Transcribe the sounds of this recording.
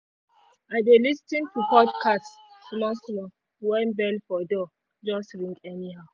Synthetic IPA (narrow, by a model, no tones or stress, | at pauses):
adelistĩntʰupɔdkʰastmɔslɔ | wɛ̃nbɛlfɔdɔ | d͡ʒɔstɹĩŋɡɛnihaʊ